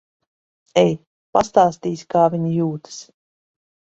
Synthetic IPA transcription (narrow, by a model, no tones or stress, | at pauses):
ɛj | past̪aːst̪iːskaːviɲijuːt̪ɨ̥s